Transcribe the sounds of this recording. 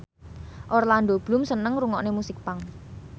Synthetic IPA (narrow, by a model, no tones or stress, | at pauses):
ʔoɾland̪ob̥lumsənəŋɾuŋɔʔnemusɪk̚paŋ